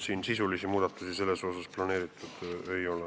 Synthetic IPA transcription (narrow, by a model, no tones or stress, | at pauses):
siːnsisulisimuːd̪̥ɑt̪ːˑusise̞lːeso̞ːsɑsplɑne̞ːɾit̪ˑud̪̥e̞jo̞le